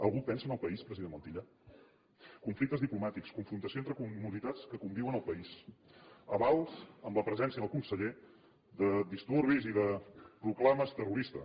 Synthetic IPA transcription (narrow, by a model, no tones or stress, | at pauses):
əlˠɣupɛnsənəlˠpəispɾəziðenmənt̪iʎa | kuɱflik̚t̪əzðiplumat̪ikskuɱfɾunt̪əsioent̪ɾəkumuzit̪at͡skəkumbiwənəlˠpəis | əβalˠzəmləpɾəzɛnsiənəlˠkunsəʎe | ðəd̪ist̪uɾβiziðəpɾuklaməst̪əruɾist̪ə